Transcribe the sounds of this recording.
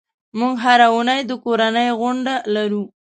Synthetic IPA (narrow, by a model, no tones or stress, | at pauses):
muŋɡɦaɾaunəjd̪əkoɾanəjɣʊɳɖalaɾu